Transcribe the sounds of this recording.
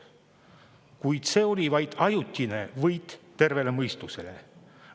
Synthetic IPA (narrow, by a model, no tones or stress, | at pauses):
kujd̪̥se̞ːo̞lʲivɑjd̪̥ɑjut̪ʲːˑine̞vɤjd̪̥ːe̞rve̞le̞mɤjst̪use̞le̞̰